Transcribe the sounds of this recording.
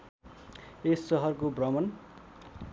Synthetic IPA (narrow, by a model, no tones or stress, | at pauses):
esːʌɦʌrkobrʌmʌn